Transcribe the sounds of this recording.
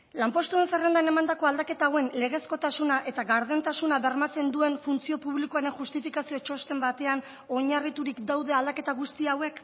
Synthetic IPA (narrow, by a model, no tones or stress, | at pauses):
lampo̞st̪ue̞nsere̞nd̪ane̞mand̪ako̞ald̪ake̞t̪aːwe̞nle̞ɣ̞e̞sko̞t̪asunaʔe̞t̪aɣaɾð̞e̞nt̪asunaβe̞rmat͡se̞nd̪ue̞nfunt͡sio̞puβlikoaɾe̞ŋxust̪ifikasio̞t͡ʃo̞st̪e̞mbat̪e̞an | o̞ɲarit̪uɾikd̪awðe̞ald̪ake̞t̪aɣust̪iawe̞k